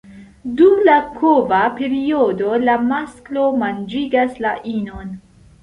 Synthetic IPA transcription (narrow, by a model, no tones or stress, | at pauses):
dumlakʰovape̞ɾio̞do̞lamasklo̞mand͡ʒiɡaslaʔino̞n